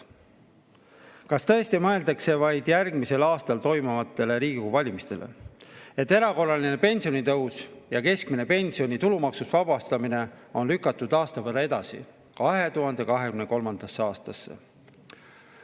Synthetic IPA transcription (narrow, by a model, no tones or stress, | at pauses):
kɑst̪ɤ̞e̞st̪imɤe̞ld̪ɑkse̞vɑjd̪̥jærɡ̥mise̞lɑːst̪ɑlt̪o̞jmumɑt̪ːˑe̞le̞ɾiːɡ̥ikuvɑlʲimist̪e̞̰lʔe̞̰e̞t̪ːe̞ɾɑko̞rːɑline̞pe̞nʲsionit̪ɤ̞wsjɑke̞skmine̞pe̞nʲsio̞nʲit̪ulumɑksusvɑbɑst̪ɑmine̞o̞nlykːˑɑt̪ːˑud̪̥ɑːst̪ɑpæɾɑe̞d̪̥ɑsḭ | kɑɦe̞t̪uɦɑnd̪̥e̞kɑɦe̞kymne̞ko̞lmɑnd̪̥ɑsːeɑːst̪ɑsːḛ